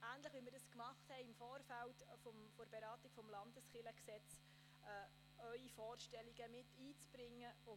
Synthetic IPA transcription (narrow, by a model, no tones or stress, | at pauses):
æːntləχʋimɪɾdɑskmɑχthɛɪɪmfɔːɾfæltfɔmfoɾb̥eɾɑːtiɡ̥fɔmlɑnd̥əsχɪləksɛt͡sː | œʏifɔːrʃtɛliɡəmɪtːiːt͡sb̥ɾɪŋːəʊ